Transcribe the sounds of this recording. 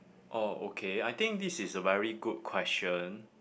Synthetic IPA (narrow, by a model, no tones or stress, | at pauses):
ʔoo̰kʰeajt̪ɪ̃ŋk̚d̪isisəvɛɹiɡud̚kʰw̥ɛst͡ʃə̃n